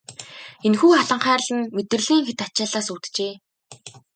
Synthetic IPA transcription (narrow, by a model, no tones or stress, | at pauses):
enxuːχaɮə̆ɴχæːrɮɘ̆nmet̪ɘ̆r̆ɮiːŋxet̪at͡ɕaːɮaːsut̪t͡ɕeː